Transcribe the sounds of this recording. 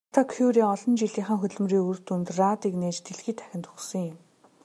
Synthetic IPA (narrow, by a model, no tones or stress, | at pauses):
t̪ʰakʰuɾiːɔɮɞ̆nt͡ɕiɮiːɴχə̆ŋxɵt̪ɮɘ̆mriːur̥t̪unt̪rat̪iːkneːt͡ɕt̪ʰeɮxiːt̪ʰæ̥xʲɪ̆nt̪ʊχsɞ̆ŋjʊm